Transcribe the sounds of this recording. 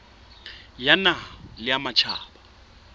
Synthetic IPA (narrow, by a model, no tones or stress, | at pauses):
janalɪamat͡ʃʰa̰ːba